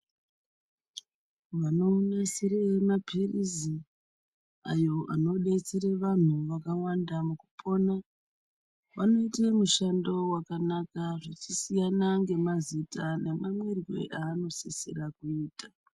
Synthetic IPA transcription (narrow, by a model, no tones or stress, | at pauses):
ʋano̞nasiɾemapirizi | ajo̞ʔano̞ɗe̞t͡seɾe̞ʋan̤uʋakawandamukupʰo̞na | ʋano̞itemuʃando̞wakanakaʐet͡ʃisijanaŋɡe̞mazitane̞mamwerwe̞̰ʔaːno̞seseɾakuiːta